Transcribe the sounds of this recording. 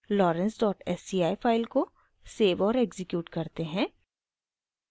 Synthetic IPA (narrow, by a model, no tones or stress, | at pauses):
lɔːɾə̃nsɖɔːʈɛsiːaːipʰaːɪlko | seːʋɔːɾeːɡzɪkjuːʈkɐɾt̪eɦɛ̃ː